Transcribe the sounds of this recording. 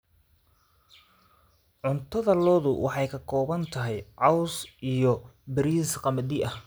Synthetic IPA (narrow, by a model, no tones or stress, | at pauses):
ʕʊnt̪ʰɐðɐlɔːðʊwʔɑ̰ħɑjkʰɐkʰɔːβɐnt̪ʰɐɦɛjʕɑwsijɔbɐɾiːsqɑmɐd̪ɪʔɐh